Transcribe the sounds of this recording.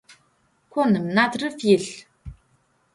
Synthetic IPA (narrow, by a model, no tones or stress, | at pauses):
kʷʰonɨmnatrɨfjɪɬ